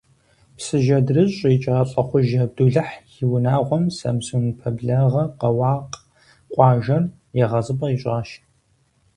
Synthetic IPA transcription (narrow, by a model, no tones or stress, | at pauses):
psɨʒɐdrɨɕʼit͡ʃʼɐʁɐɬʼɐχʷʊʒɐb̚duɮɐħjɪwnaːʁʷɔmsɐ̰msunpʰɐbɮɐʁɐqɐwɑːq | qʷʼɑːʒɐr | jɛʁɐzɨbʼɐiɕʷʼɑːʃ